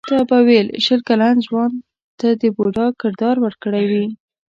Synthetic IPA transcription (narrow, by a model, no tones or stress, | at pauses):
t̪ɑbawelʃəlkalanzwɑn | t̪ad̪əboɖɑkɪɾd̪ɑɾwəɾkəɽajwi